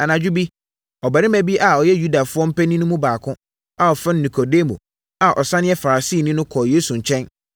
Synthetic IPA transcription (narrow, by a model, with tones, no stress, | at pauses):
a˨nã˨d͡ʑᶣʊ˦bi˦ | ɔ˨bæ˨ɾɪ̃˦mæ̃˦bi˦ʔa˨ɔ˨jɛ˦ju˦da˨fʊ˦ɔ̃˦m̩˦pɛ˦nĩ˦nʊ̃˦mũ˦baː˨kʰʊ̃˦ | a˨ɔ˨fɪ̃˦nː˦ĩ˨kʰo˨de˦mõ̰˨ | a˨ʔɔ˨sã˦nɪ̃˦ɛ˦fa˨ɾa˨siː˦˨nĩ˦nʊ̃˦kʰɔ˨jeː˦sũ˨ɲ̩˨t͡ɕʰɛ̃˦n